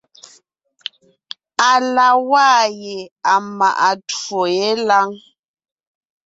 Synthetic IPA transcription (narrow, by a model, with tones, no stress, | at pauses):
a˨la˨waː˦je˨a˨ma̰˨ʔa˨two˨je˦la˦ŋ